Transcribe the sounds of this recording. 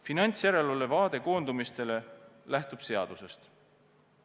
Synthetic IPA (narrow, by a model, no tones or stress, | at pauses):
finɑnʲt̪sjæɾe̞lolevɑːd̪̥e̞ko̞ːnd̪umist̪e̞le̞læht̪ub̥se̞ɑd̪̥use̞st̪